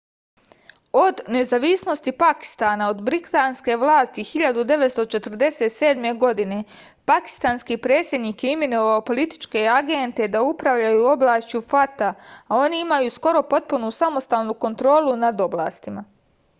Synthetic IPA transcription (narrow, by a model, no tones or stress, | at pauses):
o̞d̪ne̞zaʋisno̞st̪ipaki̥st̪aːnao̞d̪bɾit̪anske̞ʋlˠaːst̪ixiʎad̪ud̪e̞ʋet̪st̪o̞t͡ʃe̞t̪r̩d̪e̞set̪se̞ːd̪me̞ɡo̞d̪ine̞ | paki̥st̪aːnskipɾe̞ːt̪sʲjed̪niːkeiminoʋaopo̞lit̪i̥t͡ʃke̞aɡe̞nt̪e̞d̪aupɾaʋʎajuːo̞blaːʃt͡ʃufat̪aːo̞niimajusko̞ɾo̞po̞t̪̚punusamo̞st̪aːlˠnuko̞nt̪ɾo̞ːlˠunad̪o̞blˠa̰ːst̪ima